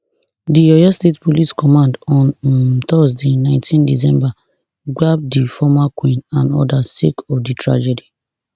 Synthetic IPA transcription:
dijɔjɔstetpoliskɔmãndɔ̃nt̪ɔzdenãɪ̃ntʰĩndis̬ɛ̃mba | ɡab̚difɔmakwĩnãnɔ̰dasḛkɔfditɹa̰d͡ʒɛdi

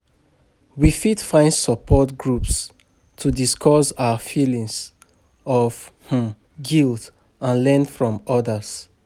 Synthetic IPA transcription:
wifitfãɪ̃ndsɔpʰɔtɡɹups | tʰudiskʰɔsawəfilĩŋs | ɔvh̩ | ɡilˠd | ãnlɛ̃nfɹɔ̃mɔdəs

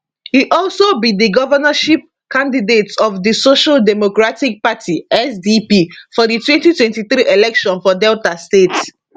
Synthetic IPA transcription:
hiʔɔlsobĩdiɡɔvənaʃip̚ | kãndidetɔfdisoʃaldɛmokɹatik̚patʰiɛsdipifɔditwɛ̃ntitwɛ̃ntiθɾiʔelɛkʃɔ̃nfɔdɛltastet

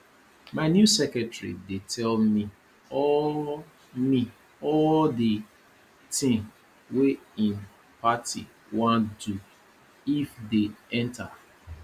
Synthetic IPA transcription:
maɪnjusɛkɛtɹḭdetʰɛlmi | ɔ | mi | ɔldi | tɪ̃ŋ | weĩn | patḭ | wãndu | ifdeɛ̃ntʰa

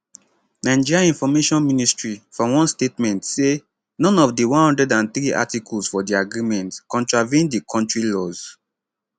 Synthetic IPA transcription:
nãɪ̃nd͡ʒiɹaĩnfɔmeʃɔ̃nministɹifɔwɔ̃nstetmɛ̃ntse | nɔ̃nɔfdiwɔ̃nhɔ̃ndɹɛdãnθɹiʔa̰tikʰɔlsfɔdiaɡɹimɛ̃ntkɔ̃ntɹavẽndikʰɔ̃ntɹilɔz̥

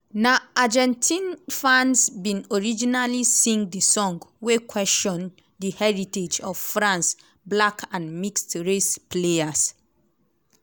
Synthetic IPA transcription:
naad͡ʒɛ̃ntʰĩnfãnsbĩnɔɹid͡ʒinalisĩŋɡdəsɔ̃ŋɡwekwɛstɔ̃n | dihɛɹited͡ʒɔv̥fɹãns | blakʰãnmikstɹespleas

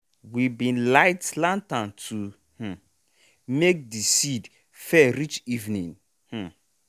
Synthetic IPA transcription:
wibĩnlaɪtlãntãntʰu | h̩ | mek̚disid | fɛɾit͡ʃivnĩn | h̩

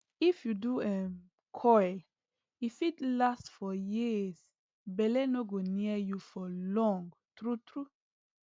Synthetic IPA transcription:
ifjuduɛ | kʰɔjl | ifitlastfɔjis | bɛlɛnoɡoniəjufɔlɔ̃ŋɡ | tɾutʰɾu

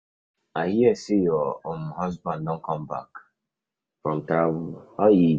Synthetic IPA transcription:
ahiɛsijɔom̩ɦɔzbãndɔ̃ŋ̩kɔm̩ba̰k | fɾɔ̃m̩tabɔji

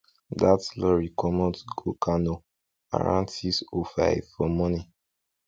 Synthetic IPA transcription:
datlɔɹikʰɔmɔ̃tɡokʰanɔ | a̰ɹã̰ntisofa̰ɪvfɔmɔni

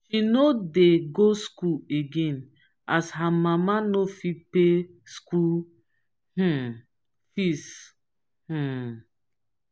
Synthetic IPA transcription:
ʃinodeɡoskueɡẽn | ashamãmanofipe | skul | h̩ | fis | h̩

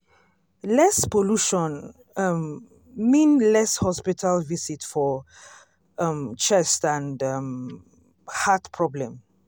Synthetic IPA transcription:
lɛspoluʃɔ̃n | m | mĩnlɛshɔspitʰalvisitfɔ | mt͡ʃɛstãndm | hatpʰɹɔblɛ̃m

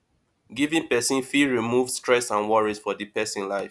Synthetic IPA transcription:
ɡivĩnpɛsĩnfiɹimuvstɹɛsãnwɔɹizfɔdipɛsĩnlaɪf

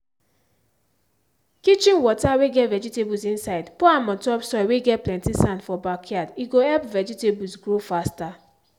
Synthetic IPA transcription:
kit͡ʃĩnwɔtaweɡɛtvɛd͡ʒitebusĩnsaɪdpuamɔ̃ntɔpsɔweɡɛt̚plɛ̃ntisãndfɔbakʰadiɡoɛpvɛd͡ʒitebusɡɾofasta

